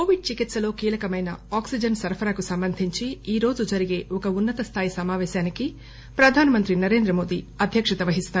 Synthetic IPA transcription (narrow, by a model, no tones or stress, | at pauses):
ko̞ːʋiɖ̚t͡ʃikit̪sɐlo̞ːkiːlɐkɐmɐjnɐ̰aːksid͡ʒɐnsɐɾpʰɐɾaːkusɐmbɐnd̪ʱiɲt͡ʃiiːɾo̞ːd͡ʒud͡ʒɐɾiɡe̞ːɔkɐunːɐt̪ɐst̪ʰaːjisɐmaːʋɛːʃaːniki | pɾɐd̪ʱaːnɐmɐnt̪ɾinɐɾe̞ːnd̪ɾɐmo̞ːd̪ḭː | ɐd̪ʱjɐkʂɐt̪ɐʋɐɦist̪aːɾ